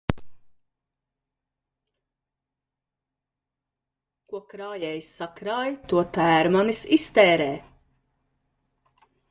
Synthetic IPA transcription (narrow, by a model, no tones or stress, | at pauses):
kukɾaːjɛjsːakɾaːjt̪uɔt̪æːɾmanisist̪ɛːɾɛː